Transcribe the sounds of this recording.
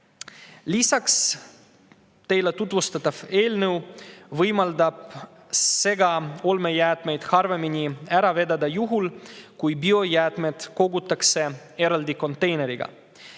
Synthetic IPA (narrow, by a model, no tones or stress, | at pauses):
lisɑks | t̪e̞jlet̪ut̪vust̪ɑt̪ːˑɑve̞ːlnəwvɤjmɑld̪ɑb̥ | se̞ɡɑo̞lme̞jæːt̪me̞jd̪̥hɑrve̞minʲiæɾɑve̞d̪ɑd̪ɑjuɦulkujbio̞jæːt̪me̞d̪̥ko̞ɡut̪ːˑɑkse̞ | e̞ɾɑld̪iko̞nt̪ːˑe̞jne̞ɾiɡ̥ɑ̰